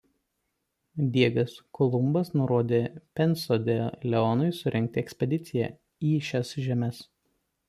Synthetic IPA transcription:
d̪ʲiɛɡɐskɔlˠʊmbɐsnʊɾoːd̪ʲeːpʲɛnˑsod̪ʲeːllʲɛɔnʊɪsʊɾʲɛŋʲk̚t̪ʲɪɛksʲpʲɛd̪ʲɪt̪sʲɪjɛ̰ | iːʃʲɛsʒʲɛmʲɛs

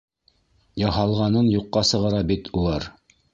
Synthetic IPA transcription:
jɑhɑlˠʁɑnɤnjuqːɑsɤ̆ʁɑɾɑbit̪ʰulˠɑɾ

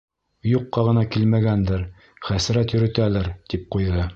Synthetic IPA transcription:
juqːɑʁɤ̆nɑkilmæɡænd̪ɘɾ | χæsɾæt̪jɵ̆ɾɵ̆t̪ælæɾt̪ip̚qujðɤ

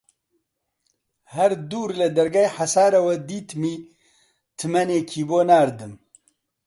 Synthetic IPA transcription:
hɛɾd̪uːɾlɨd̪ɐɾɡaːjħasaːɾɐwɐd̪iːt̪miː | t̪ʰɨmɛneːkʰiːboːnaːɾd̪ɨm

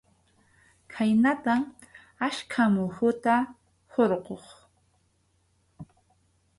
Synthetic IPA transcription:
kʰajnat̪am | aʃkʰamʊhʊt̪a | hoɾqoχ

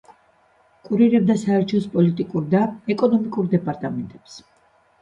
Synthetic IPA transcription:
kʼuɾiɾɛb̚d̪asaɛɾt͡ʃʰɔspʼɔlit̪ʼikʼuɾd̪aɛkʼɔnɔmikʼuɾd̪ɛpʼaɾt̪ʼamɛnt̪ʼɛps

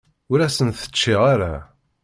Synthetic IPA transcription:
ʊɾæsənθə̥t͡ʃːiʁaɾa̰

